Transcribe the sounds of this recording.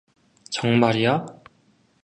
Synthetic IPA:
t͡ɕʌŋmaɾija

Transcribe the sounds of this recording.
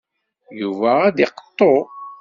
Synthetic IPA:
juvæːd̪iqə̥t̪ˤːo

